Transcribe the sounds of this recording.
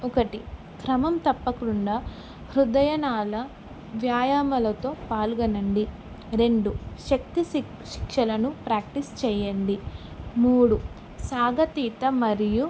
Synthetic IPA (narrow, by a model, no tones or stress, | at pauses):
ɔkɐʈi | kɾɐmɐmt̪ɐpːɐkɾuɳɖaː | hɾud̪ɐjɐnaːlɐ | ʋjaːjaːmɐlɐt̪o̞ːpaːluɡɐnɐɳɖi | ɾe̞ɳɖuʃɐk̚t̪i | ʃi̥kʂɐlɐnupɾaːk̚ʈist͡ʃɛːjɐɳɖi | muːɽu | saːɡɐt̪iːt̪ɐmɐɾiju